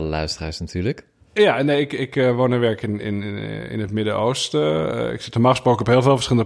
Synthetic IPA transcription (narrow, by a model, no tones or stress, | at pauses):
lœ̰ɥstəraːsnatʰyːlək | janeɪkɪkʋonəʋɛɹkɪnɪ̰nɪ̰nətmɪdəʔowstɪ̰ksɪtəmaxspoːkɔphɪːlˠvɪːlˠvə̥ɹsxɪlˠnə